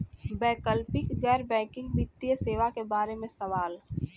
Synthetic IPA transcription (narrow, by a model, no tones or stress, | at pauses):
bɛːkəlpɪkɡɛːɾbɛ̃ːkɪ̃ŋɡʋɪt̪ːijəseːʋakebaːɾemẽsɐʋaːl